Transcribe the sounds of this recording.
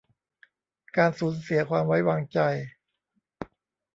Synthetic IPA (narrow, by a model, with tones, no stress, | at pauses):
kaː˧nsuː˩˦nsi˩˦ɐkʰwaː˧mwa˦˥jwaː˧ŋt͡ɕa˧j